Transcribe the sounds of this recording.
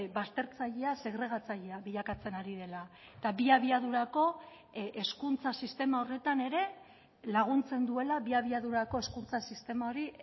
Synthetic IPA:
bast̪e̞ɾt͡saʎease̞ɣɾe̞ɣ̞at͡saʎeaβiʎakat͡se̞naɾiðe̞la | et̪abiaβiaðuɾako̞ | ʔeskunt͡sasist̪e̞mao̞re̞t̪ane̞ɾe̞ | laɣ̞unt͡se̞nd̪ue̞laβiaβ̞iaðuɾako̞e̞skunt͡sasist̪e̞mao̞ɾi

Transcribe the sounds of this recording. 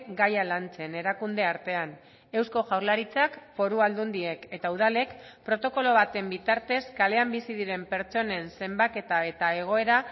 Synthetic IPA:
ɡajalant͡se̞ne̞ɾakund̪e̞aɾt̪e̞an | e̞wsko̞ʝawɾlaɾit͡sakfo̞ɾuald̪und̪ie̞ke̞t̪auð̞ale̞kpɾo̞t̪o̞ko̞lo̞β̞at̪e̞mbit̪aɾt̪e̞skale̞ambisiðiɾe̞mpe̞ɾt͡so̞ne̞nse̞mbake̞t̪ae̞t̪ae̞ɣ̞o̞eɾa

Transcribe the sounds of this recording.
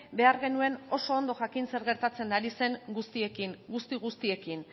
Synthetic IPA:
be̞aɾɣe̞nue̞no̞so̞ːnd̪o̞ʝakinse̞ɾɣe̞ɾt̪at͡se̞nd̪aɾise̞ŋɡust̪ie̞kiŋɡust̪iɣ̞ust̪ie̞kin

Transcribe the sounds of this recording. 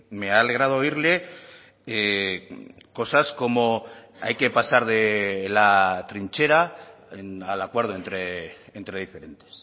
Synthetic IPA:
me̞aːle̞ɣ̞ɾað̞o̞iɾle̞ | ko̞sasko̞mo̞a̰jke̞pasaɾðelat̪ɾint͡ʃe̞ɾa | enalakweɾð̞oent̪ɾeːnt̪ɾeðife̞ɾe̞nt̪e̥s

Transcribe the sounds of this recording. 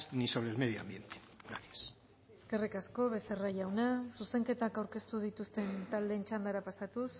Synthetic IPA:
niso̞βɾe̞ːlmeðjoa̰mbje̞nt̪e̥ | ɡɾaɾjes | eske̞rikasko̞βe̞serajawnasuse̞ŋke̞t̪akawɾke̞st̪uð̞it̪ust̪e̞nt̪ald̪e̞nt͡ʃand̪aɾapasat̪us

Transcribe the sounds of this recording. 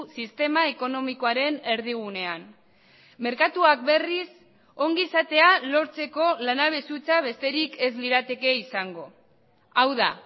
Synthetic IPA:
sist̪e̞mae̞ko̞no̞miko̞aɾe̞ne̞ɾð̞iɣ̞une̞an | me̞ɾkat̪uak̚be̞ris | o̞ŋɡisat̪e̞alo̞ɾt͡se̞ko̞lanaβ̞e̞sut͡saβ̞e̞st̪e̞ɾikʰe̞zliɾat̪e̞ke̞isaŋɡo̞ | awða̰

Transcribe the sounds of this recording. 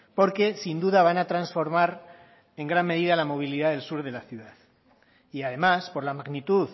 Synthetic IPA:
po̞ɾke̞sind̪uðaβ̞anat̪ɾansfo̞ɾmaɾ | e̞ŋɡɾanme̞ð̞iðalamo̞β̞iliðaðe̞lsuɾðe̞laθjuðað | iað̞e̞maspo̞ɾlamaɣnit̪uð

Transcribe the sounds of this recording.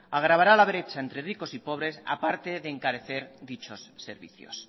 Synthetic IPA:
aɣ̞ɾaβ̞aɾalaβeɾet͡ʃaent̪ɾeriko̞sipo̞β̞ɾe̞sa̰paɾt̪eðeːŋkaɾeθe̞ɾd̪it͡ʃo̞sːḛɾβḭθjo̰s

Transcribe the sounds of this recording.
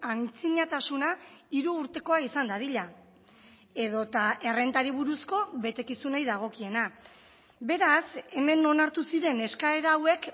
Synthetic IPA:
ant͡siɲat̪asunaiɾuːɾt̪e̞ko̞aisand̪að̞iʎa | e̞ðo̞t̪ae̞re̞nt̪aɾiβ̞uɾusko̞βe̞t̪e̞kisunajðaɣ̞o̞kie̞na | be̞ɾase̞me̞no̞naɾt̪usiɾe̞ne̞skae̞ɾaːwe̞k

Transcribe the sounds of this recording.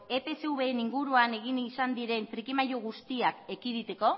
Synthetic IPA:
e̞pe̞seuβe̞ːniŋɡuɾuane̞ɣ̞inisand̪iɾe̞nfɾikimajoɣ̞ust̪iake̞kiðit̪e̞ko̞

